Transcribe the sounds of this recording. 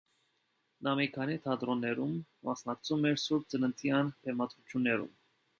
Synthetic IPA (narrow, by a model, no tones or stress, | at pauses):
nɑmikʰɑnit̪ʰɑd̪ɾɔnːɛɾumːɑsnɑkt͡sʰumɛɾsuɾp̚t͡sənənt̪ʰjɑnt̪ʰɛmɑt̪ʰut͡ʃʰjunːɛɾṵm